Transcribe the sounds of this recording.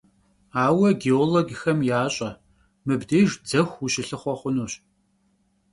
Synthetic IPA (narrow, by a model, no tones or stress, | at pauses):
aːwɐɡeoːloɡxɐmjaːɕʼɐ | mɨbdeːʒd͡zɐxʷuɕɪɬɨχʷɔχʷʊnuːɕ